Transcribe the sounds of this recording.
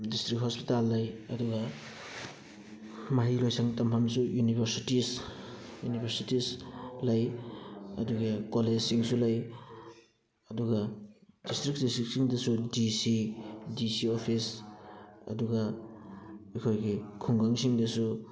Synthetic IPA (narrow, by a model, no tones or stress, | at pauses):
distɾik̚hospitalːɐjɐduɡa | maɦilojsʰaŋtɐmpʰamsujunibʱɐɾsitis | junibʰʱɐɾsitislɐj | ɐ̰duɡakoled͡ʒsiŋsulɐj | ɐduɡadistɾik̚distik̚siŋdɐsudisidisiopʰis | ɐ̰duɡɐ | ikʰojɡikʰuŋɡaŋsiŋdɐsu